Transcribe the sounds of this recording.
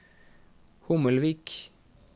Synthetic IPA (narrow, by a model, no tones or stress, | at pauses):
hʊməlʋiːk